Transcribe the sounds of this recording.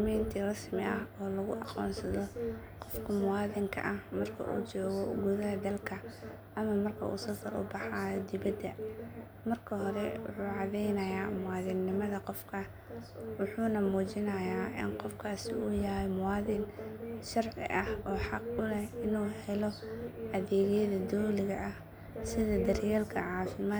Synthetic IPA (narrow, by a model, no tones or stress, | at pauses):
miːnt̪ʰiːrɑsmɪʔɐɦɔːlɐɣʊ̰ʔɑqɔ̰ːnsɐðɔ | qɔfkʰɐmʊwɑːðɪŋkʰɐ̰ʔɐhmɐrkʰɐ̰ʔṵːt͡ʃɔːɣɔɡʊðɐɦɐd̪ɐlkʰɐ | ʔɐmɐmɐrkʰɐ̰ʔṵːsɐsɐɾʊ̰bɑħaːjd̪ɪβɐd̪ɐ | mɐrkʰɐɦɔɾɛwʊ̰ħuːʕɑðɛjnɐjaːmʊwɑːðɪnːɪmɐðɐqɔfkʰɐ | wʊħuːnɐmuːt͡ʃɪnɐjaːʔɪ̰nqɔfkʰaːsɪuːjɐhɛjmʊwɑːðɪnʃɑrʕɪ̰ʔɐhɔːħɑqʔʊlɛhɪnuːhɛlɔɐðɛːɣɛjɐðɐd̪ɔːlɪɣɐʔɐh | sɪðɐd̪ɐrjɛːlkʰɐʕɑːfɪmaː